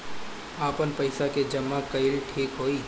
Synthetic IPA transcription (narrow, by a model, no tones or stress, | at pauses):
aːpənpəɪsaked͡ʒəmːakəɪlʈʰiːkɦoːiː